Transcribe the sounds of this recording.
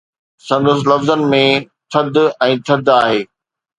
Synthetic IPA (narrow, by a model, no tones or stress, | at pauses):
sɐ̃nd̪əs̬ɪlɐfzənɪ̆mẽ | t̪ʰɐd̪ɛ̃ːt̪ʰɐd̪aːɦeː